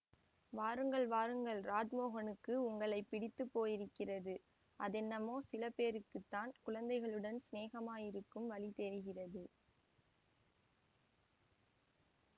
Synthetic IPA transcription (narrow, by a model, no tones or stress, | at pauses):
ʋaːɾɯŋɡɐɭʋaːɾɯŋɡɐɭɾaːd͡ʒmoːɣɐnɯkːɯʊŋɡɐɭɐɪpːɪɽɪt̪ːɯpːoːjɪɾɯkːɪrɐðɯ | ʔɐðɛnːɐmoːsɪlɐpeːɾɯkːɯt̪ːaːnkʊɻɐnd̪ɐɪɣɐɭɯɽɐnsneːɣɐmaːjɪɾɯkːɯmʋɐɭit̪ɛɾɯɣɪrɐðɯ